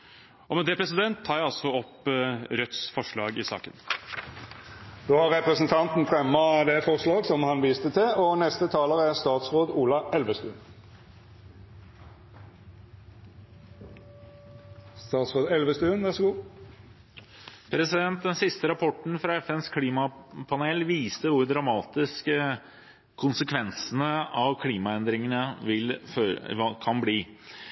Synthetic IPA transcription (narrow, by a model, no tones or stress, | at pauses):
ɔmɛd̪ɛːpʰɾɛsɪd̪ɛnt̪ʰːɑːjæɑlsɔɔpɾœt̪sfɔʂɭɑːɡɪsɑ̰ːkən | d̪̥oːhɑʁʁɛpʁɛsn̩t̪ʰɑnt̪n̩fʁɛmːɑd̪ɛfɔʁʂlɑːɡsɔmhɑnʋiːst̪ət̪ʰɪlɔnɛst̪ət̪ʰɑːləʁəæʁst̪ɑːt̪sʁoːd̪uːlɑɛlʋəst̪ʉːn | st̪ɑːt̪sʁoːd̪ɛlʋəst̪ʉːnʋæʁʂɔɡuː | pʰɾɛsɪd̪ɛnt̪̚d̪ɛnsɪst̪əɾɑpʰɔʈɳ̩fɾɑɛfɛnskʰliːmɑpʰɑneːlʋiːst̪əʋʊɾɖ̪ɾɑmɑːt̪ɪskə | kʰːʊnsəkʰʋɛnsənəɑʋkʰliːmɑɛnd̪ɾɪŋənəʋɪlføːɾɑkʰɑnbliː